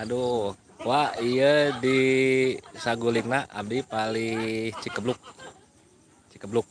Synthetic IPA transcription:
ado | waijədi | saɡuliŋnaʔa̰mdipalit͡ʃikəblʊk̚ | t͡ʃikəblʊk̚

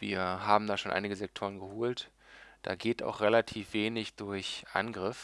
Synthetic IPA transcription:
vḭːɐɦaːbm̩daːʃoːnʔa̰ɪnɪɡəzɛk̚tʰoːʁ̞ənɡəhoːlt | d̥a̰ːɡeːta̰ʊxʁ̥elatʰiːfv̥eːnɪçd̥ʊɐçʔa̰nɡʁɪf

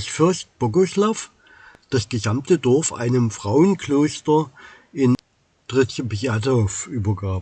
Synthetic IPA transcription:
sfɪɐst̚b̥oɡʊslaf | d̥asɡ̥əzamtədɔɐfʔa̰ɪnəmfʁ̥aʊənkløːstɐ | ʔɪn | d̥ʁɪt͡səpiatofʔyːbɐɡaːp

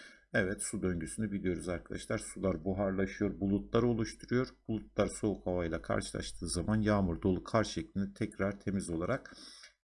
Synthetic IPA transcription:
ɛvɛt̪sud̪ø̞ɲɟysynybilʲijo̞ɾuzaɾkʰad̪aʃlˠaɾsulˠaɾbuɦaɾlˠaʃɯjo̞ɾbulˠut̪lˠaɾo̞lˠuʃt̪ʰuɾujo̞ɾb̥ulˠut̪̚lˠaɾso̞ukhavaɯlˠakʰa̰ɾʃɯlˠa̰ʃt̪ʰɯːzamanjaːmɯɾd̪o̞lˠukʰaɾʃɛclʲind̪ɛt̪ʰɛcɾaɾt̪ʰe̞mizo̞lˠaɾak

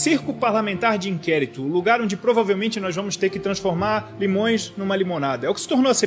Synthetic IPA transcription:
siɾkulʊpaɾlamẽnt̪aɾd͡ʒɪĩkɛɾit̪ʊːluɡaɾõñd͡ʒɪpɾovavewmẽnt͡ʃɪnɔzvɐ̃mʊst̪eɾkɪt̪ɾɐ̃sfoɾmaɾlimõj̃znũmɐlimõnad̪ɐɛʊkɪ̥sɪ̥t̪oɾnowɐse

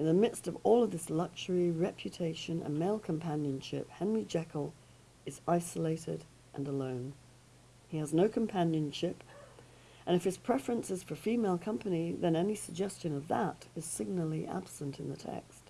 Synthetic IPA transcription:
ɨ̃nðɨmɪdstʌvɔlˠʌvðɪslʌk̚ʃə˞iɹɛpʰjɨtʰeɪʃɨ̃nɨ̰̃nmeɪlˠkʰɨ̃mpʰæ̃njɨ̃nʃɪ̰p̚hɛ̃nɹid͡ʒɛkl̩ˠ | ɨzaɪsəleɪɾɪ̰ɾ | ʔɨ̰̃nəlõʊ̃n | iɨznoʊkʰɨ̃m̩pʰæ̃njɨ̃nʃɪp | ʔɨ̃ñɨfɨz̥pʰɹ̥ɛfɹɨ̃nsɨz̥fə˞fimeɪlˠkʰʌ̃mpɨniðɨ̃nɛnisɨɡ̚d͡ʒɛst͡ʃɨ̃nʌvðə̰ɾɨz̥sɪɡ̚nl̩ˠiʔæ̰b̥sɨ̃ntʰɨ̃nðɨtʰɛ̰kst

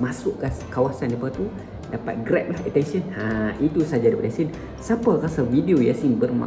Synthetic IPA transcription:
masʊʔkakawasandipaat̪u | dapa̰t̪̚ɡɾɛp̪̚lahət̪ɛnsənhãit̪usad͡ʒadipatʔjasin | saparasawidiojasiŋbərma̰

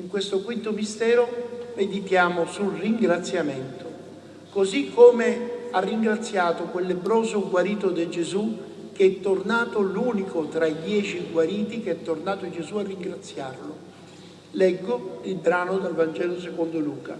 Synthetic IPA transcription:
iŋkwest̪okwint̪omist̪ɛːɾomed̪it̪jaːmosulriŋɡɾat̪sːjamɛnt̪o | kozikʰːomearːiŋɡɾat̪sːjaːt̪okwelːebɾɔːzoɡwaɾiːt̪od̪ed͡ʒezu | k̟eɛt̪ːornaːt̪oluːnikʰot̪ɾaid̪jɛːt͡ʃiɡwaɾiːt̪ik̟eɛt̪ːornaːt̪od͡ʒezuarːiŋɡɾat̪sːjarlʊ | lɛɡːoilbɾaːnod̪elvand͡ʒɛːlos̬ekond̪oluːka̰

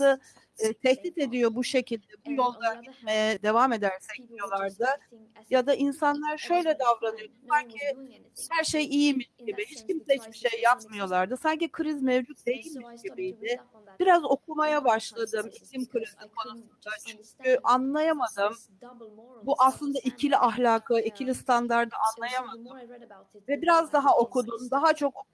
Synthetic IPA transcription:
sɯ | t̪ʰɛçt̪it̪e̞d̪ijo̞buʃe̞cʰilʲd̪ɛbujo̞lˠd̪aɟit̪̚mejɛd̪e̞vame̞d̪æɾsɛc̚d̪ijo̞lˠaɾd̪ɯ | jad̪aʔinsanlˠaɾʃø̞jlʲɛd̪avɾanɯjo̞d̪ubaɾcʰi | hæɾʃejijimiʃɟibihit͡ʃcimsɛhit͡ʃbiʃejːapmɯjo̞lˠaɾd̪ɯsaɲcikʰɯɾizmevd͡ʒut̪̚d̪e̞jilʲmiʃɟibijd̪ɪ | b̥iɾazo̞kʰumajabaʃlˠad̪ɯmiclʲimkʰɯɾizikʰo̞nusund̪at͡ʃʰyɲcʰyʔanlˠajamad̪ɯm | buʔaslˠɯnd̪aʔicʰilʲiʔaɦlʲaːkʰɯicʰilʲist̪ʰand̪aɾd̪ɯanlˠajamad̪ɯm | vɛbiɾazd̪aɦao̞kʰud̪umd̪aɦat͡ʃʰo̞k

